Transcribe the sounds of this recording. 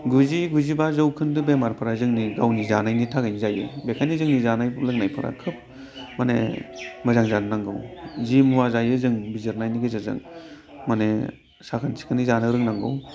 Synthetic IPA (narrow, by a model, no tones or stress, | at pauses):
ɡuziɡuzibazɯwkʰɯndɯbemaɾpʰɯɾazɯŋniɡawnizanajnitʰaɡajnizajɯ̰bekʰajnizɯŋnizanajlɯŋnajpʰɯɾʔa̰kʰɯp̚ | manḛmɯzaŋzannaŋɡɯ̰wzimuwazajɯzɯŋbizɯɾnajniɡɯzazɯ̰ŋ | mane | sakʰansʰi̥kʰɯnizanɯɾɯŋnaŋɡɯ̰w